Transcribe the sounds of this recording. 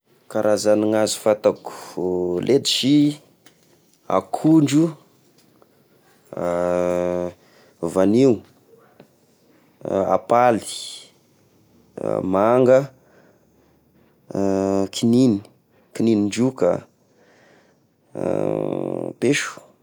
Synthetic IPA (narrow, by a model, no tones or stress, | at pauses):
kaɾʔazaniŋazi̥fat̪aku̥lʔed̪i̥ʃi | a̰kʰuɳɖ͡ʐu | vaniw | a̰pali̥ | maŋɡə | kʰinin | kininiɳd͡ʒuka̰ | peʃu̥